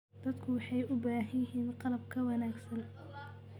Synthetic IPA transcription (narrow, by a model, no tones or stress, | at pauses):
d̪̥ɐd̪kʰʊwɑħɑjʊbaːɦɪjɦiːnqɑlɐb̚kʰɐwɑnaːɡsɐn